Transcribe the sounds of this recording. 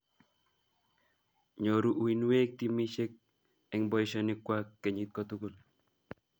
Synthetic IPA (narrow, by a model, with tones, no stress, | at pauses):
ɲo˨ɾu˦ʔu˨i˨nwe˦k̚t̪i˦mi˦ʃe˦k̚ | ɛŋbɔ˦jʃɔnɪkwakːɛ˨ɲi˦t̪̚kɔt̪u˦ko˦l